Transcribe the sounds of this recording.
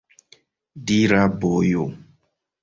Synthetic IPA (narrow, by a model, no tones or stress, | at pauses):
diɾabojo